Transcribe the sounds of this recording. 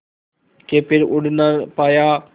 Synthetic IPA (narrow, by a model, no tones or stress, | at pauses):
keːpɪɾʊɽnəpaːjaː